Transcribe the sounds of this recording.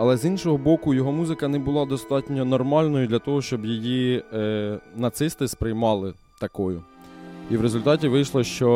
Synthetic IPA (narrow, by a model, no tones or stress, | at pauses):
ɐlˠɛzinʃɔɦɔbɔkʊjɔɦɔmuzɪkɐnɛbʊlˠɑd̪ɔst̪ɑtʲnʲɔnɔrmɑlʲnɔjʊd̪lʲɐt̪ɔɦɔʃt͡ʃɔbjiji | nɐt̪sɪst̪ɪspɾɪjmɑlˠɪ | t̪ɐkɔjʊ | iʋɾezʊlʲt̪ɑtʲiʋɪjʃlˠɔʃt͡ʃɔ